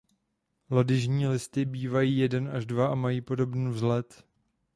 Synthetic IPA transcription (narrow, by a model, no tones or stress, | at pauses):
lo̞dɪʒɲiːlɪst̪ɪbiːvajiːjɛdɛnʔaʒdvaamajiːpo̞do̞bniːvzlɛt̪